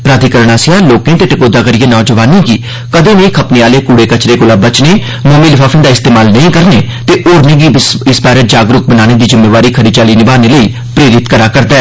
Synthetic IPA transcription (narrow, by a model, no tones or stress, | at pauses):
pɾaːd̪iːkəɾəɳaːsɪaːloːkẽːʈ̪eʈəkoːd̪aːkəɾɪeːnɔːd͡ʒəʋaːnĩːɡiː | kəd̪ẽːnẽĩːkʰəpneːaːleːkuːɽeːkət͡ʃɾeːkʊlaːbət͡ʃneː | moːmĩːlɪpʰaːfʰɪ̃nd̪aːɪst̪eːmaːlnəĩːkəɾneː | t̪eːʔoːɾnẽːɡiːɪsbaːɾeːd͡ʒaːɡɾʊk̚bənaːneːd̪iːzɪmːeːʋaːɾiːkʰəɾiːt͡ʃaːliːnɪbaːneːləiː | pɾeːɾɪt̪kəɾaːkəɾd̪aɛː